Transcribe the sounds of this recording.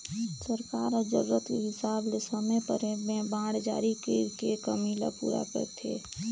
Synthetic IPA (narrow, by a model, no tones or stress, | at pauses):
səɾkaːɾɔːd͡ʒəɾuːət̪keɦɪsaːblesəmepəɾmẽbãːɽd͡ʒa̰ːɾikekekəmila̰pṵːɾa̰kə̰ɾt̪ʰḛː